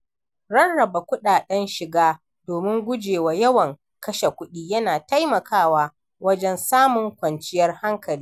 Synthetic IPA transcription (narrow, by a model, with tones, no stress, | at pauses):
ɾɐ˦nɽɐ˨ba˨kʷʊ˦ɗaː˨ɗɛ˦nʃɪ˨ɡaː˦ | doː˨mɪ˦ŋɡʷʊ˦d͡ʒeː˨wa˨jɐ˦wɐ˨ŋ | kɐ˦ʃe˨kʷʊ˦ɗiː˦jɐ˦naː˨ta˦jmɐ˨kʰaː˦waː˦ | wɐ˦d͡ʒɛ˦nsaː˦mʊ˨ŋkʷɐ˨nt͡ʃɪ˦jɐ˦rha˦ŋkɐ˨liː˦